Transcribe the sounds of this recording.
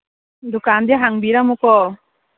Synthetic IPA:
d̪ukand̪iaɦaŋbiɾamukɔ

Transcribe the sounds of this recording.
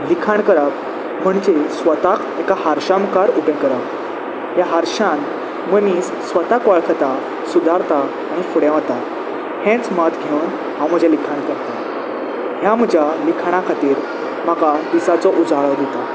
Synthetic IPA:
likʰaɳkəɾap | m̤əɳd͡ʑesʋət̪akʰekahaɾɕamkaɾubɛ̃kəɾap | ɦjaɦaɾɕãn | məniːsːʋət̪akʋaɭkʰt̪a | sud̪ʱaɾt̪aː | ɽ̃ifuɽjɛ̃ʋat̪a | hɛ̃t͡smat̪ʰɡʱeun | ɦãwm̤əd͡ʑʱalikʰaɳkəɾt̪a | ɦjam̤əd͡ʑʱalikʰɳ̃akʰat̪iːɾ | m̤akad̪isat͡sɔʔud͡zaɭəd̪ʱet̪a

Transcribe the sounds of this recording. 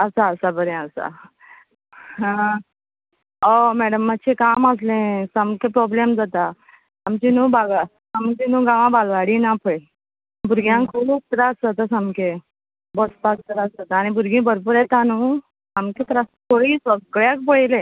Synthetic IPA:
əsaːsabəɾẽəsa̰ | omɛɽəmːat͡ɕʰekaməs̬lẽsamkẽpɾɔblemd͡zat̪a | amt͡ɕinũːbaɡ | amt͡ɕinũɡãʋãbalʋaɽinapʰəi | bʱuɾɡjãŋkʰoluuk̚t̪ɾasət̪əsamke | bɔsp̪at̪əɾasat̪añibʱuɾɡĩbʱəɾp̬uːɾet̪anũ | amket̪ɾast̪ʰoɽiːsəɡɭjak̚pəjlẽ

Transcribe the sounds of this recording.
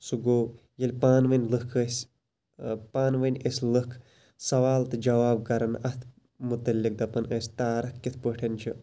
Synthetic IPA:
suɡoː | jɐlʲpaːnʋɐnʲlɨkʰəsʲ | paːnʋɐnʲesʲlɨkʰ | sɐʋaːlt̪ɨd͡ʒɐʋaːb̚kɐɾɐnɐt̪ʰ | mut̪ɐlʲːik̚d̪ɐpɐnəsʲt̪aːɾɐkkːit̪ʰpəʈʰɐnt͡ʃʰḭ

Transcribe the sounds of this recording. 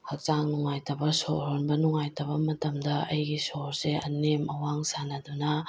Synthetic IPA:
hɐk̚t͡ʃaŋnɔŋajtɐbɐsoʔɾonbɐnɔŋajtɐbɐmɐt̪ɐmdɐɐjɡisoɾseɐnemʔɐwaŋsanad̪unɐ

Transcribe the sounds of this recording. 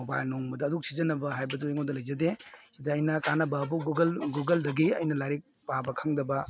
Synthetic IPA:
obajlnɔŋmɐdɐːduk̚sizɐnɐbɐɦajbɐduiŋodɐlɐjzɐdeidɐɐjnɐkanɐbɐːbuɡɡɐlɡuɡɐldɐɡiɐ̰jnɐlaɾik̚pabɐkʰaŋdɐbɐ

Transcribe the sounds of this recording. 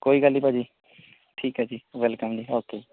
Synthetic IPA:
koːiɡalipad͡ʒi | ʈʰiːkad͡ʒiʋɛlkəmd͡ʒiɦaːt̪ei

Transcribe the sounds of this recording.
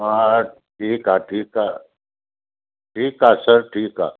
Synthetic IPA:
a | ʈʰiːkaʈʰiːkaː | ʈʰiːkaːsəɾʈʰiːka̰ː

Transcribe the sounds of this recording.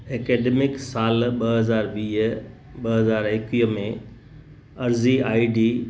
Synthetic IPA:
eːkeːɖeːmɪksaːlɓɐɦɐzaːɾʋiːɦɓɐɦɐzaːɾɪkiːɦəmẽ | ɐɾziaːiɖiː

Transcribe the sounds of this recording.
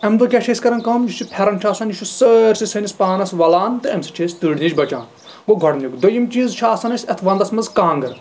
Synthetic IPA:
ɐmd̪okʲɛt͡ʃʰeːsʲkɐɾɐnkɐmjit͡ʃʰipʰɛɾɐnʃʰaːsɐnjiʃʰusəɾʲsisɐnʲispaːnɐsʋɐlaːnt̪ɨɐmsɨ̥t͡ʃʰeːsʲt̪ɨːɽnʲid͡ʒbɐt͡ʃa̰ːn | ɡoɡʱɐɽnukd̪ojimt͡ʃiːzt͡ʃʰaːsɐnɐsʲɐt̪ʰʋɐnd̪ɐsmɐzkãːŋɡɐɾ

